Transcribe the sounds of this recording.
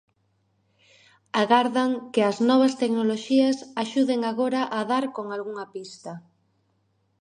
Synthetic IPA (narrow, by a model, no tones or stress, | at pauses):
aɣaɾðɐŋkɪɐznɔβ̞ɐst̪eknoloʃiɐsaʃuðeŋaɣoɾaʔaðaɾkoŋalɣuŋɐpist̪ɐ